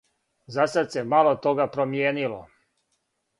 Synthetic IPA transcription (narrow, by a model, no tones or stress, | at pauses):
zasad̪se̞malot̪o̞ɡapɾomjeːnilo̰